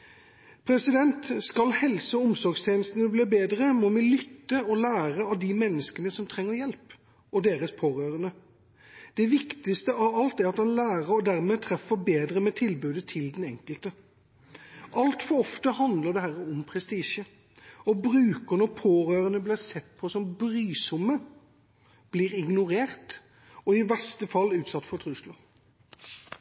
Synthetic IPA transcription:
pʰɾɛsɪd̪ɛnt̪skɑlhɛlsəɔmsɔɾɡst̪ʰeːnəst̪ənəbliːbeːd̪ɾəmɔmɪlʏt̪ːəɔlæːʁəɑʋd̪imɛnːəskənəsɔmt̪ʰɾɛŋːəjɛlp | ɔd̪eːɾəspʰoːɾøːɾənə | d̪̥ɛʋɪkt̪ɪst̪əʔɑʋɑlt̪æɾɑt̪hɑnlæːɾəɾɔd̪æɾmɛt̪ʰɾɛfːəbeːd̪ɾəmɛt̪ʰɪlbʉːd̪ət̪ʰɪld̪ɛnɛŋkəlt̪ə | ʔɑlt̪fɔɾɔft̪əhɑnd̪ləd̪ɛhæɾəɔmpʰʁɛst̪iːʃə | ɔbɾʉːkənɔpʰoːɾøːʁənəblɪːsɛt̪ːpʰɔsɔmbɾyːsʊmːə | b̥liːʁɪɡnʊɾeːɾt̪ | ɔɪbɛst̪əfɑlːʉːt̪sɑt̪ːfɔt̪ʰʁʉslɑ

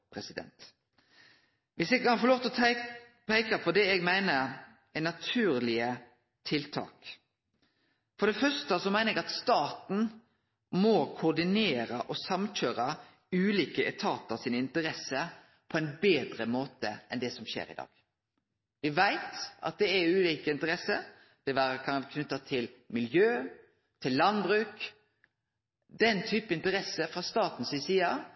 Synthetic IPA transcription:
pʰɾɛsɪd̪ɛ̰nt̪ | ʋɪsɛɡɑɾfɔloːft̪ɔ | pʰæɪkəpʰɔd̪ɛɛɡmæɪnə | ɛnɑt̪ʰʉːɾlɪə | t̪ʰɪlt̪ʰɑ̰ːk | fɔɾd̪ɛfœst̪əsɔmæɪnəɛɡɑt̪st̪ɑːt̪n̩ | mɔkʰʊd̪ɪneːɾəʔɔsɑmc͡çøːɾə | ʉːliːkəʔɛt̪ʰɑːt̪əsiːnəɪnt̪əɾɛsə | pʰɔɛɪnbeːd̪ɾəmoːt̪ə̰ɛnd̪ɛsɔmɕḛːɾɪ̰d̪ɑ̰ːɡ̥ | ʋɪʋæɪt̪ɑ̰t̪̚d̪ɛæʉːliːkəɪnt̪əɾɛsəɾ | d̪̥ɛʋæɾəkʰɑnkʰnʉt̪ːɑt̪ʰɪlmɪljøː | t̪ʰɪlːɑnbʁʉːk | d̪ɛnt̪ʰyːpəɪnt̪əɾɛsəfʁɑst̪ɑːt̪n̩sɪsiːɑ

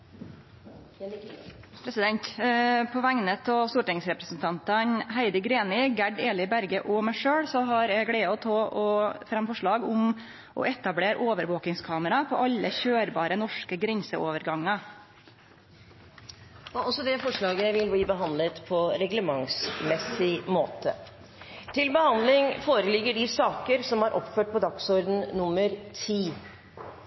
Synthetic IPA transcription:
pʰɾɛsɪd̪ɛnt̪pʰɔʋæŋnət̪ʰɔst̪uːʈɪŋsɾɛpɾəsnt̪ʰɑnt̪ɑnɦæɪd̪əɡɾeːnɪɡæɖeːlɪbæɾɡəʔɔmæɪʂøːɽsɔɦɑɾjæɪɡɽæɪɔt̪ʰɑːʔɔfɾɑmfɔʂɭɑːɡʊm | ʔɔ̰ʔɛt̪ɑbɽeːɾʔoːʋəɾʋoːkɪŋskʰɑːməɾɑpʰɔʔɑlːəçøːɾbɑːɾənɔʂkəɡɾɛnsəʔoːʋəɾɡɑŋːə | ɔɔsɔd̪ɛfɔʂɭɑːɡəʋɪlbiːbəɦɑnd̪lət̪pʰɔɾɛɡləmɑŋsmɛsɪmoːt̪ə̰ | t̪ʰɪlbəhɑnd̪lɪŋfoːɾəlɪɡːəɖɪsɑːkəɾsɔmhɑɾʔɔ̰pføːʈ̚pʰɔd̪ɑksɔɾd̪n̩nʊmːəɾt̪ʰiː

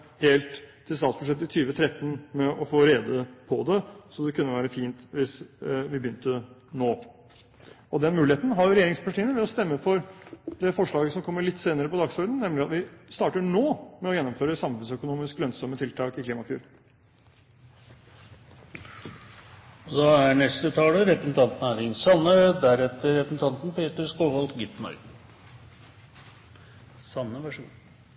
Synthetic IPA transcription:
heːlt̪ʰː | ɪlst̪ɑːt̪sb̥ʉʂɛt̪ːɪt̪ʰyːʋət̪ʰɾɛt̪ːn̩mɛʔɔfoːɾeːd̪əpʰɔd̪ɛsɔd̪ɛkʰʉnːəʋæːɾəfiːnt̪ʋɪsʋɪbəjʏnt̪ənoː | ɔd̪ɛnmʉːlɪheːt̪n̩ɦɑɾjʊɾɛjeːɾɪŋspʰɑʈʰiːənəʋɪlɔst̪ɛmːəfɔɾd̪ɛfɔʂɭɑːɡəsɔmkʰɔmːəɭɪt̪ːseːnəɾəpɔd̪ɑɡsɔɾd̪n̩nɛmlɪɑt̪ʋɪst̪ɑːʈəɳoːmɛɔjɛnːɔmføːɾəsɑmfʉnsœkʊnuːmɪsklœnsɔmːət̪ʰɪlt̪ʰɑːkɪkliːmɑkʰʉ̰ːɾ | ɔd̪ɑæɳɛst̪ət̪ʰɑːləɾɛpɾəsn̩t̪ʰɑnt̪næːɾɪŋsɑnːəd̪æɾɛt̪ːəɾɛpɾsn̩t̪ʰɑnt̪n̩pʰeːt̪əɾskoːʋɑlt̪ɡɪt̪mœ̰ʏ | sɑnːəʋæʂṵːn

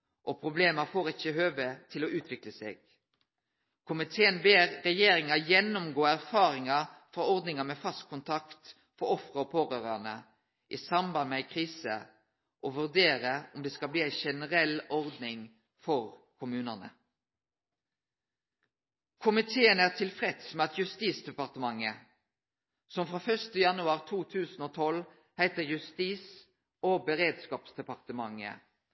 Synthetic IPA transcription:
ʔɔpʰɾʊbleːməfoːʁɪçːəɦøːʋət̪ʰɪlɔʔʉːt̪ʰʋɪkləsḛːɡ̥̚ | kʰʊmɪt̪ʰeːənbeːʁːɛjeːɾɪŋɑjɛnːʊmɡoːæʁfɑːɾɪŋɑfɾɑɔʁd̪nɪŋɑmɛfɑst̪̚kʰʊnt̪ʰɑkt̪ | fɔɾɔfʁəɔpʰoːʁøːɾɑnə | ʔisɑmbɑnmɛæɪkʰʁiːsə̰ | ʔɔʋʉʁd̪eːɾəɔmd̪ɛːskɑbliːæɪʃɛnəʁɛlɔʁd̪nɪŋ | fɔʁkʰʊmʉːnɑnə̰ | kʰʊmɪt̪ʰeːənæːʁt̪ʰɪlfʁɛt̪smɛːɑt̪jʉst̪iːsd̪ɛpɑʁt̪əmɑŋːə | sɔmfʁoːfœʁʃt̪əjɑnʉɑʁt̪ʰuːt̪ʰʉːsn̩oːt̪ʰɔl | hæɪt̪əʁjʉst̪iːs | oːbəʁeːd̪skɑːpsd̪ɛpɑʁt̪əmɑŋːə̰

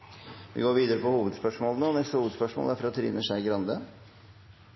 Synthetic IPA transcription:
ʋɪ̰ɡoːɾʋiːd̪əɾəpɔhuːʋəd̪spœʂmoːlənəɔnɛst̪əhuːʋəd̪spœʂmo̰ːlæfɾɑt̪ʰɾḭːnəʂæɪɡɾɑnd̪ə

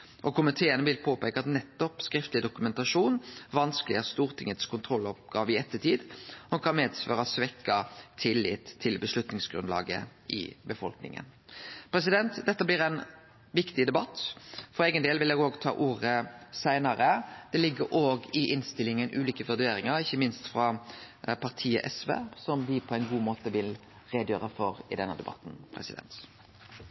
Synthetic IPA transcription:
ʔɔkʊmɪt̪ʰeːənəʋɪlpʰoːpæɪkɑɑt̪nɛt̪ːɔpskɾɪft̪lɪd̪ʊkʉmɛnt̪ɑʂuːnʋɑnskəlɪæʁst̪uːʁt̪ʰɪŋət̪skʰʊnt̪ʰʁɔlːɔp̚ɡɑːʋɪɛt̪ːət̪ʰiːd̪hɑmkʰɑnmeːd̪sfø̰ːɾɑsʋɛkːɑt̪ʰɪlːɪ̰t̪ʰːɪlbəslʉt̪nɪŋsɡɾʉnlɑ̰ːɡə̰ʔɪ̰bəfɔlknɪ̰ŋə̰npʰɾɛs̬ɪd̪ɛnt̪d̪ɛt̪ːəblɪʁɛɪn | ʋɪkt̪ɪd̪ɛbɑt̪ːfɔɾeːɡənd̪eːlʋɪlɛːɡoːɡt̪ʰɑ̰ːʔuːʁəsæɪnɑɾəd̪̥ɛlɪɡːəɾʔoːɡɪʔɪnst̪ɪlːɪŋənʔʉːliːkəʋœd̪eːɾɪŋɑɾɪçːəmɪnst̪fʁɑpʰɑʁt̪ʰiːə̰ʔɛsʋḛːsɔmʋɪpʰɔæɪnɡuːmoːt̪əʋɪl | ʁeːd̪jøːɾəfɔɾɪ̰d̪ɛnːəd̪ɛbɑ̰t̪n̩pʰɾɛ̰sɪd̪ɛ̰nt̪

